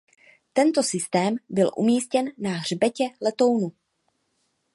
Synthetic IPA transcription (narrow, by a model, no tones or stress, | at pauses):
t̪ɛnt̪o̞sɪst̪ɛːmbɪlʔṵmiːscɛnːaɦr̝bɛcɛlɛt̪o̞wnu